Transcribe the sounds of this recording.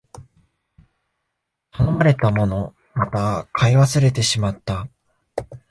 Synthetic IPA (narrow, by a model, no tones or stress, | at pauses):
hanomaɾe̞t̪amo̞no̞ | mat̪akʰaiβasɨɾe̞t̪e̞ɕimat̪ːa